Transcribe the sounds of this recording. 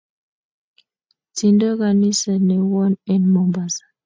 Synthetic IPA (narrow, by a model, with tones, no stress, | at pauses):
ti˨ndə˦ɣa˨ni˦sə˨nɛ˨wɔ˦nɛ˦nmɔ˨mba˨sḁ˨